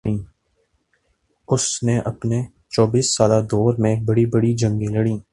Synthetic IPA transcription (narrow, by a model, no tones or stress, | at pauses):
ĩː | ʊsneʔɐpne | t͡ʃɔːbiːsːaːlad̪ɔːɾmẽbɐɽibɐɽid͡ʒɐ̃ŋɡẽlɐɽĩː